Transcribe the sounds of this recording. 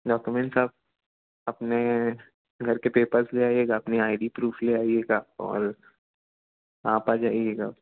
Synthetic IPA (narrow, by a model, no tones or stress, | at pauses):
ɖɔːkjʊmẽɳʈsaːb̚ | ɐpne | ɡʱɐɾkepeːpəɾsleaːieːɡaɐpniaːɪɖipɾuːfʰleaːieːɡaːɔ̰ːɾ | aːpaːd͡ʒaːieːɡaː